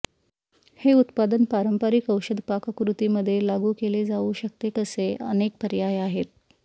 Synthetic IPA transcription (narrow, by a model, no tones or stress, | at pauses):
heut̪pad̪ənpaɾəmpəɾikəwɕəd̪ʱpakəkɾut̪iːməd̪ʱːjelaɡuːkeled͡zauɕək̚t̪ekəseʔə̰nek̚pəɾjajaɦet̪̚